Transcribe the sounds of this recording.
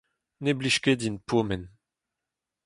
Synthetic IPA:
nebliʃkedinpʰomɛn

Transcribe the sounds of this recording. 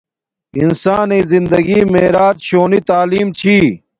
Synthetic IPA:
ḭnsaːneːzind̪ɐɡiːmeːɾaːt̪ɕoːnit̪aːliːmt͡ɕʰiː

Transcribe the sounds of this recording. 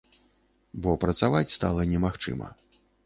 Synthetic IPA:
bɔpɾɐt̪savat͡sʲst̪a̰lˠɐnʲɛmaxt͡ʂɨ̰mɐ̰

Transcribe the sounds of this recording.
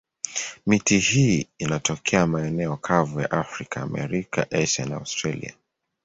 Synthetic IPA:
mitihiːinatʰɔkʰɛamaɛnɛɔkʰavuja̰ʔafɾikʰaːmɛ̰ɾika̰ʔɛʃa̰naa̰ʊstɾalḭa̰

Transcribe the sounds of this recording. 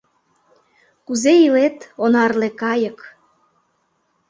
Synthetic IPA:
kuzeilet̪onɑrlekɑjə̆k

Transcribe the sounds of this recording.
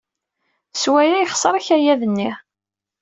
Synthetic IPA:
swæjæjχsˤəɾˤɑçæjæðənːi

